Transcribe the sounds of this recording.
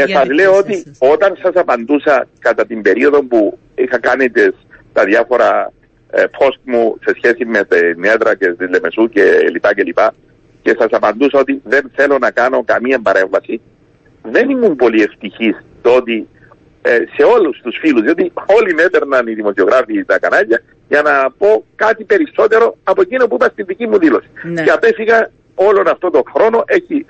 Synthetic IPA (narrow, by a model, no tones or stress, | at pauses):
mesɐzle̞o̞t̪io̞t̪ɐnsɐsɐpɐnd̪usɐkɐt̪ɐt̪imbe̞ɾio̞ðo̞mpu | ixɐkanit̪est̪ɐðjɐfo̞ɾɐ | pʰo̞st̪̚muse̞sçe̞sime̞t̪enːe̞ðɾɐcest̪izle̞me̞sucelipɐcelipɐ | ce̞sɐsɐpɐnd̪usɐo̞t̪iðe̞nθe̞lo̞nɐkɐno̞kɐmiɐmbɐɾe̞ɱvɐsi | ðe̞nimːumpo̞lie̞ft̪içist̪oo̞t̪i | se̞o̞lust̪usfiluzðio̞t̪io̞line̞t̪e̞ɾnɐniðimo̞sio̞ɣɾʔafiːt̪ɐkɐnɐʎːɐ | ʝɐnɐpo̞kɐt̪ipe̞ɾiso̞t̪e̞ɾo̞ɐpo̞ecinopuipɐst̪inðicimuðilo̞si̥ceɐpe̞fiɣɐ | o̞lo̞nɐft̪o̞t̪oxɾo̞no̞ʔe̞çi